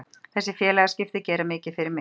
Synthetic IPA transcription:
θɛsːɪfjɛːlɛɣascɪft̪ɪcɛːɾamɪːcɪfɪɾɪɾmɪ

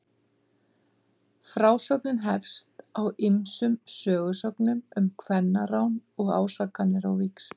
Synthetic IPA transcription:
fɾaːwsœknɪnɦɛfst̪awɪmsʏmsœːɣʏsɔknʏmʏmkʰvɛnːaɾawnɔɣa̰ːwsakːanːɪɾawvɪks

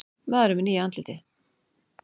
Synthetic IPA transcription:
maðɾʏmɪniːant̪lɪt̪ɪ

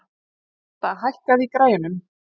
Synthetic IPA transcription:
θaðɦajhkaðikɾaːjɪnʏm

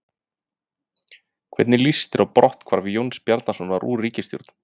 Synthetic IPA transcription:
kʰvɛ̰t̪nɪlist̪ɪɾʔawpɾɔht̪kʰv̥aɾvɪjownspjaɾt̪nasɔnvaɾʔṵːriːcɪst̪jɔ̰ɾt̪n

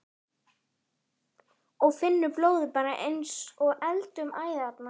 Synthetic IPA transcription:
ɔɣfɪnːʏploːwðɪpaːɾaʔejnsɔɣɛlt̪ʏmaːjðat̪na

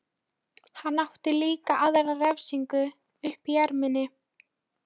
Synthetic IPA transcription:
hanːaht̪ɪliːkaʔaðɛɾarɛvsiŋkʏ | ʏhpijɛɾmɪnːɪ

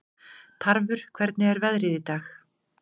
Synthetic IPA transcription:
t̪ʰaɾvʏɾ̥kʰvɛɾt̪nɪɛɾvɛðɾɪðit̪aːx

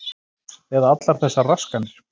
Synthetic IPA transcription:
ɛːðaat̪laɾ̥θɛsːaraskanɪɾ̥

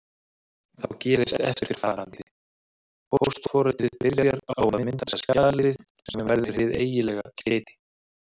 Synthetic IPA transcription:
θawcɛːɾɪst̪ɛ̰ft̪ɪ̥ɾ̥fɪɾ̥θaːɾant̪ɪ | pʰoowst̪fɔːɾat̪ɪpɪɾjaɾjaɾaawmɪmɪnt̪asascaaːðalɪɾɪðsɛmvɛnvɛɾðɪɪɾ̥hɪðḛːjɪlɛːɣa̰cɾɛːt̪ɪ̥

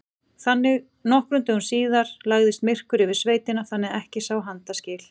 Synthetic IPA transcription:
θanːɪɣ | nɔhkɾʏnt̪ɪunsiːðaɾ̥laɣðɪst̪mɪr̥kʏɾɪvɪɾ̥sveːjt̪ɪnaθanːɪɛhcɪsawɦant̪ascɪːl

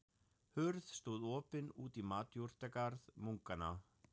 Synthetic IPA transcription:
hʏɾðst̪uðɔːpɪnuːt̪imaːt̪juɾ̥t̪ɛkaɾðmuŋkana̰

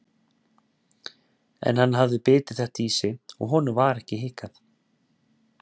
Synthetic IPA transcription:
ɛ̰nhanːɦavðʏpɪːt̪ɪðθɛht̪iːsɪɔ̰ɣɦɔnʏvaɾɛhcɪhɪːkaθ

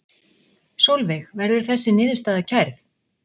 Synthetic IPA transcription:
sowlvɪxvɛɾðʏɾ̥θɛsːɪnɪːðʏst̪aːðacʰajɾθ

